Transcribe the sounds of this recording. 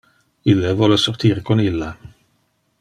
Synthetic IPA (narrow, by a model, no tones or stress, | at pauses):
ɪləvɔləsɔʁt̪ʰiːʁkʰɔnɪlːə